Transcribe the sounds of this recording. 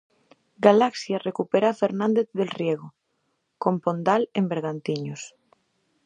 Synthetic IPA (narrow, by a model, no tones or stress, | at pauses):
ɡalaksjarekupeɾafeɾnãnd̪eθðelrjeɣ̞o | kõmpond̪alembeɾɣant̪iɲos